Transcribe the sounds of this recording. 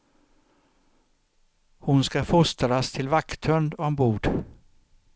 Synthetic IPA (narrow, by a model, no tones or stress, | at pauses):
hʊnskafʊst̪ɾast̪ʰɪlvakt̪ʰœnd̪ɔmbuːɖ